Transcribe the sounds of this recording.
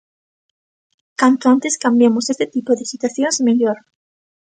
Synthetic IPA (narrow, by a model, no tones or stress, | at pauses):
kant̪oant̪e̞skambjamosest̪et̪ipoðesit̪waθjonsmeʎoɾ